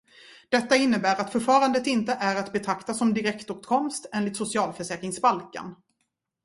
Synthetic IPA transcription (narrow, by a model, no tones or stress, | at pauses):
d̪̥ɛt̪ːaɪnːəbæːɾat̪fœɾfɑːɾand̪ət̪ɪnt̪əʔæɾat̪bɛt̪ʰɾakt̪asɔmd̪ɪɾɛkt̪uːt̪kʰɔmst̪ɛːnlɪt̪sʊsɪɑːlfœʂɛːkɾɪŋsbalka̰n